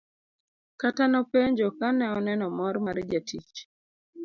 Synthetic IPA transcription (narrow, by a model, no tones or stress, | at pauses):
katanɔpeɲd͡ʒokanɛɔnɛnɔmɔɾmaɾd͡ʒatit͡ʃ